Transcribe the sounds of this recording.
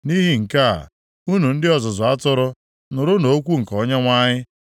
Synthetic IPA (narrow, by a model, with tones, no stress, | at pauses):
ni˦ɦi˨ŋ̩˨ka̰˦˨ | u˦nu˨n̩˦dɪ˦ɔ˨zʊ˨zʊ˨a˦tʊ˦ɾʊ˦ | nʊ˨ɾʊ˦no˨˦o˦kʷu˦ŋ̩˨kɔ˨ɲe˦ŋʷa˦ɲɪ˦